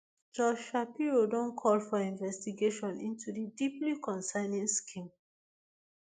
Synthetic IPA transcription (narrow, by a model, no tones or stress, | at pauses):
d͡ʒɔd͡ʒʃapiɹodõnkʰɔlfɔĩnvɛstiɡeʃɔ̃nḭ̃ntudidiplikʰɔ̃nsaɪnĩŋskʰĩm